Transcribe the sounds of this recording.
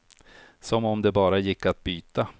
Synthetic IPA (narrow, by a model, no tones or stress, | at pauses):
sɔmɔmd̪ɛbɑːɾajɪkːat̪̚byːt̪a